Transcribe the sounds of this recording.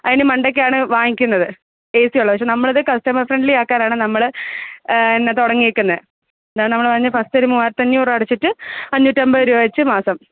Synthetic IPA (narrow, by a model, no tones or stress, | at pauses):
ɐðinːemɐɳɖek̬ʲːeaːɳɨʋaːŋikʲːunːɐðɨ | eːsijuɭːɐpɐkʂenɐmːɐɭɐðɨkɐstɐmɐrfreɳɖɨliaːkːaːnaːɳɨnɐmːɐɭ | enːet̪oɽɐŋːiekʲːunːɐð | end̪aːjɳɨnɐmːɐɭpɐrɐɲːɐfɐstɨɐɾimumaːjɾɐt̪ːɐɲːuːrɐɽɐt͡ɕːiʈːɨɐɲːuʈːɐmbɐuɾujoːɡit͡ɕːɨmaːsɐm